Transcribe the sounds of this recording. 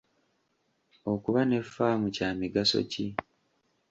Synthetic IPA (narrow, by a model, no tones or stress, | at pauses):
o̞kuβane̞fːaːmucaːmiɡaso̞̰ci